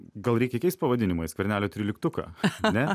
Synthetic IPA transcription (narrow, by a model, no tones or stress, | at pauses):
ɡɐlˠɾɛɪkʲɛkɛɪst̪̚pɐʋɐd̪ʲɪnʲɪmɐɪskʋʲɐɾʲnʲæːlʲoːt̪ʲɾʲɪlʲɪkt̪ʊkɐ̰ːnʲɛ